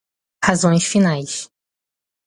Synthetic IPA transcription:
hazõj̃sfinajs

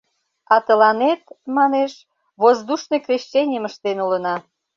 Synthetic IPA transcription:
ɑt̪əlɑnet̪̚mɑneʃ | βozd̪uʃnojkrʲeɕt͡ɕːenʲəməʃt̪enulənɑ

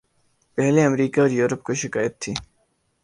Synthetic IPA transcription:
pɛɦleɐmɾiːkaɾjuːɾəpkoʃɪkaːjət̪ʰːiː

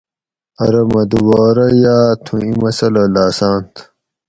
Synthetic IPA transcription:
ɐɾɐmɐd̪uwaːɾɐjaːt̪ʰũimɐsɐlɐlaːsãːnt̪ʰ

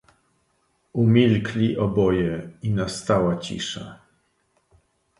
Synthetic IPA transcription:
umʲilklʲiʔɔbɔjɛinast̪awat͡ɕḭʂa̰

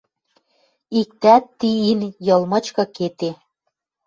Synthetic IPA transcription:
ik̚t̪æt̪ːiinjɤ̆lˠmɤ̆t͡ɕkɤ̆ket̪e

